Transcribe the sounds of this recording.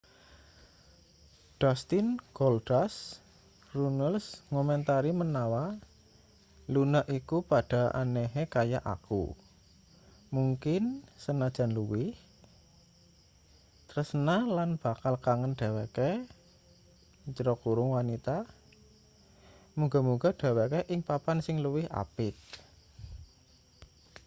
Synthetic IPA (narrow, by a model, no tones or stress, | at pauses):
ɖ̥ɔst̪ɪnɡ̥ɔldas | runəlsŋɔmɛnt̪aɾimənawa | lunəʔikupaɖ̥a̤ʔa̰nɛɦekajaʔa̰kṵ | muŋkɪnsənad̥ʒ̥a̤nluwɪh | t̪əɾəsənalanb̥a̤kalkaŋənɖ̥a̤wake | t͡ʃəɾɔkuɾʊŋwanit̪a | muɡa̤muɡa̤ɖ̥a̤wakeʔɪŋpapansɪŋləwɪha̰pɪk̚